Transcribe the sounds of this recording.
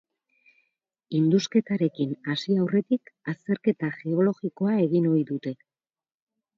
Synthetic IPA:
ind̪uske̞t̪aɾe̞kinasiawre̞t̪ikast̪e̞ɾke̞t̪aʝe̞o̞lo̞ɣiko̞ae̞ɣino̞jðut̪e̞

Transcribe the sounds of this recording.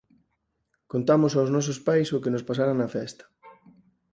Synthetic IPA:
kont̪amosawznɔs̬ospajsʊkɪnospasaɾaŋnɐfɛst̪ɐ̥

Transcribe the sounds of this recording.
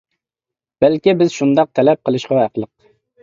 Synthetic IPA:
b̥ælkʲibɪzʃund̪ɑq̚t̪ʰɛlɛp̚qʰəlˠɨʃqɑæqlˠəq̚

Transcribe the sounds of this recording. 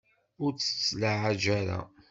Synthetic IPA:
ʊɾt͡sːə̥t͡sːlaʕad͡ʒæɾa̰

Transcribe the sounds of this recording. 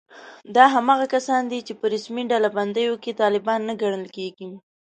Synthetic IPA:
d̪ɑɦamɑɣakasɑnd̪it͡ʃepəɾasmiɖalaband̪əjoket̪ɑlɪbɑnːaɡaɽəlkeɡi

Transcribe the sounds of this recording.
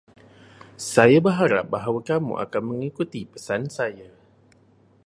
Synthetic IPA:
sajabəɦaɾa̰p̚baɦawakamṵʔa̰kanmə̃ŋikut̪ipə̥sansaja

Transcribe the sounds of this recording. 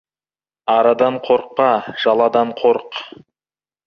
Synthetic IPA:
ɑɾɑd̪ɑɴqʰoɾq̚ːɑʒ̥ɑlˠɑd̪ɑɴqʰoɾq

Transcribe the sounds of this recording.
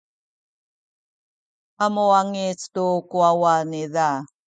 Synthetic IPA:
amuaŋit͡stukuawaniða

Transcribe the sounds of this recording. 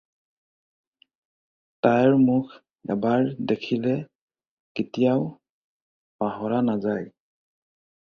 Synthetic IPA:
tajɹmʊkʰ | ɛ̰baɹdekʰilɛ | kitijaw | paɦɔɹanazaj

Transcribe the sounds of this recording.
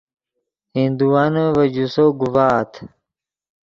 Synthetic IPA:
hĩnd̪uanəvɐd͡ʑusoɡuvaːt̪ʰ

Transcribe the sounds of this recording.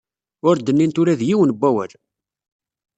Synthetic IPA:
ʊɾd̪ənːint̪ʊɾæðjiwənbʷːæwæ̰l

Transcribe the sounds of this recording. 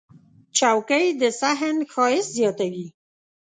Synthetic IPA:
t͡ʃawkəjd̪əsaɦənxɑjɪszjɑt̪awi

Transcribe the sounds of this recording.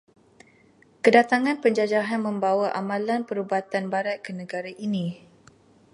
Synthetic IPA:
kədat̪aŋãnpəɲd͡ʒad͡ʒaɦanmə̃mbawaʔamãlanpəɾubat̪anbaɾat̪̚kənə̃ɡaɾaʔinĩ

